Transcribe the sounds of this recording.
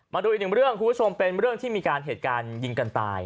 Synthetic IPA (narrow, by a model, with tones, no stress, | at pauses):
maː˧du˧ʔi˨˩nɯ˨˩ɾɯ˥˩əŋkʰu˧˥˩bʰt͡ɕʰo˧mpe˧nɾɯ˥˩əŋt̪iː˥˩miː˧kaː˧nɦeː˨˩t̪̚kaː˧nji˧ŋka˧nt̪a̰ː˧j